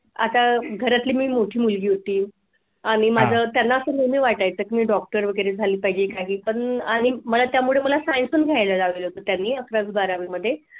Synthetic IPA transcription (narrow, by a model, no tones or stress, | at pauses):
a̰t̪aɡʱəɾat̪liːmiːmoʈʰiːmulɡiːɦot̪iː | aɽ̃imad͡zʱəːt̪janːaəsənemiːʋaʈajt͡səːkimiːɖɔk̚ʈəɾʋəɡəɾed͡zʱaliːpaɦid͡ʑeːkaɦiːpəɳaɽ̃iməlat̪jamuɭeməlasajnsuːnɡʱjajlad͡zaʋelɦot̪ət̪janːiːəkɾad͡zbaɾaʋiːməd̪ʱːje